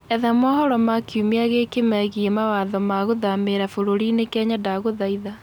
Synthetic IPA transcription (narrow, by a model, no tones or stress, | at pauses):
ɛðamɔhɔɾɔmakjumiaɣekemɛɣiemawaðɔmaɣoðameɾafoɾoɾinekɛːɲadaɣoðaiða